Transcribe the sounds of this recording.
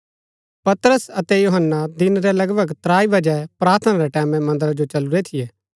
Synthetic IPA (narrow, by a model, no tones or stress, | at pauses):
pɐt̪ɾəsɐt̪ɛjoɦənːad̪ɪnɾɛlɐɡbʱəɡt̪ɾaːibɐd͡ʒɛpɾaːɾt̪ʰənaɾɛʈɛːmɛ̃mɐ̃nd̪əɾad͡ʒot͡ʃɐluɾet̪ʰijɛː